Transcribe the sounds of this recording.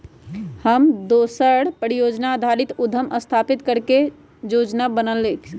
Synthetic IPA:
həmd̪osəɽpəɾijod͡ʒnad̪ʱaɾit̪ud̪ʱəməst̪ʰapit̪kəɾke | jod͡ʒnabənəlːekʰ

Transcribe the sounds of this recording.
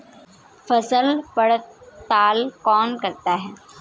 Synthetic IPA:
fɐsəlpɐɽt̪aːlkɔːnkɐɾt̪aɦɛː

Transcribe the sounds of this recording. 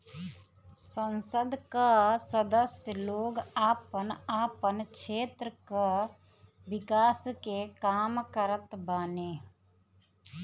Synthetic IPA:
sɐ̃nsəd̪kasɐd̪əsjəloːɡaːpənaːpənkʃeːt̪ɾəka | ʋɪkaːskekaːmkɐɾət̪baːneː

